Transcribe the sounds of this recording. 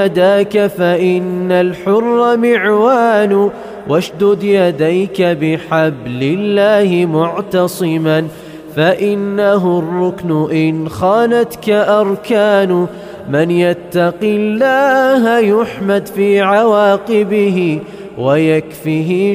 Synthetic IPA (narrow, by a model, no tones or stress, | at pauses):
ad̪aːkafaʔɪnːalħʊrˤːɑmɪʕwaːnʊ | wʔaʃd̪ʊd̪jad̪ajkabɪħablɪlːaːhɪmʊʕt̪ɑsˤɨman | faʔɪnːaɦʊrˤːʊknʊʔɪnxanat̪kaʔɑɾˤkaːn | mɪnjat̪ːɑqɪlːaːhajʊħmad̪fiːʕawaːqɪbɪhɪ | wajakfiɦɪ